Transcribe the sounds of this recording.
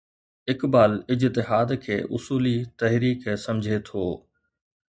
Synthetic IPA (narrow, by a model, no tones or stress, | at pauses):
ɪkbaːlɪd͡ʑt̪ɪɦaːd̪kʰḛːʔʊsuːlit̪ɐɦɾiːksɐmd͡ʑʱet̪ʰoː